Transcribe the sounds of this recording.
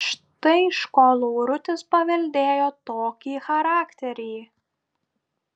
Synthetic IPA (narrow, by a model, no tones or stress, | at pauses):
ʃt̪ɐɪʃkoːlˠuːɾʊt̪ʲɪspɐʋʲɛlʲd̪ʲeːjoːt̪oːkʲiːxɐɾɑːkt̪ʲɛɾʲiː